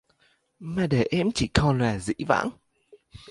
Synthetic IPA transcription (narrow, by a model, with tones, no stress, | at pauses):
maː˨˩ɗe˧˩ʔɛ˧˥mt͡ɕi˧˩kɔ˨˧˩nlaː˨˩zḭ˧˥va̰ː˧˥ŋ